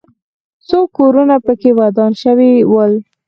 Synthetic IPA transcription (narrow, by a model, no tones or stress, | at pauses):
sokoɾunapəkewad̪ɑnʃəwiwəl